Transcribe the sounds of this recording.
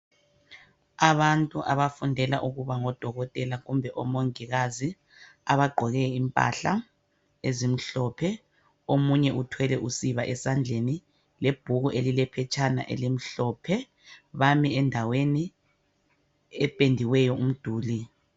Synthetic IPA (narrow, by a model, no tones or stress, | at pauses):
aβantʼuʔaβafundʱɛla̰ʔuɣuβaŋɔd̥ʱɔɣɔtʼɛlaɣumbʱɛʔɔmoŋiɣazi | aβaɡ͡ǃʱɔɣɛimpʼa̰ɬa̰ | ezim̩ɬɔpʰɛ | omuɲɛʔutʰwɛlɛʔusiβaʔɛsand͡ɮʱeni | leb̥ʱuɣuʔelilɛpʰɛt͡ʃʼʰana̰ʔḛlim̩ɬɔpʰɛ | βamiɛndʱaweni | ɛpʼendʱiwɛjɔum̩d̥ʱuːli